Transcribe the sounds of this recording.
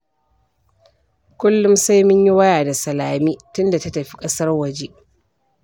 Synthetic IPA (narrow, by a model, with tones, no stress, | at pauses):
kʷʊ˦lːʊ˦msa˦jmɪ˦ɲji˦wɐ˦jaː˨da˨sɐ˨laː˨miː˦tʊ˦nda˨ta˦tɐ˨ɸi˦kʼɐ˦sɐ˦rwɐ˨d͡ʒe˦ʔ